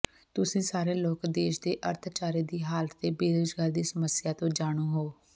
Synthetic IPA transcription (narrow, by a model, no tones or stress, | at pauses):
t̪ʊsĩːsaːɾeːloːkd̪eːʃd̪eːʔə̰ɾt̪ʰt͡ʃaːɾeːd̪iːɦaːlət̪eːbeːd̪od͡ʒɡaːɾd̪iːsəməsɪjaːt̪õːd͡ʒaːɽ̃õːɦoː